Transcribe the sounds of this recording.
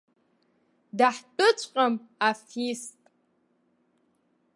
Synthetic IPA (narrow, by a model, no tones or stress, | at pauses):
daħt͡pʼʊt͡ɕʷʼqʼamafistʼ